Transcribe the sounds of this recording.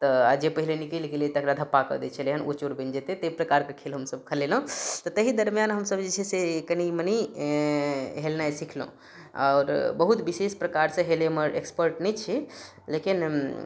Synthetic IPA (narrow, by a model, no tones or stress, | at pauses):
t̪əad͡ʒepəɦilenikelkelet̪əkɾad̪ʱəpːakə̰d̪et͡ʃʰəleɦənot͡ʃoɾbend͡ʒet̪et̪əpɾəkaɾkekʰelɦəmsəb̚kʰəlelõt̪ɔt̪əɦid̪əɾmjanɦəmsəbd͡ʒet͡ʃʰɛsekəniməni | ɦelnajsikʰlṵ̃ | ɔ̰ːɾbəɦut̪bisespɾəkaɾsə̃ɦeleməɾʔekspəɾʈnɛt͡ʃʰi | lekin